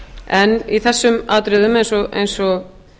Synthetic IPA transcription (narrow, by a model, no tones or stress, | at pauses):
ɛniθɛsːʏmaːt̪ɾʏðʏmejnsɔɣḛjnsɔɣ